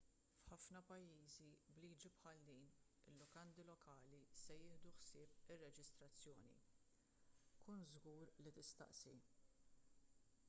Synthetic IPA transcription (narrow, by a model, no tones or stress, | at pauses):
fħɐfnɐpɐjːiːzibliːd͡ʒipħɐld̪iːn | ɪ̰lːɔkɐnd̪ilɔkʰɐːlisɛjɪːhd̪uħsɪːpɪrːɛd͡ʒɪst̪ɾɐt͡sːjɔ̰ːnḭ | kuːnzɡuːɾlit̪ɪst̪ɐ̰ʔsi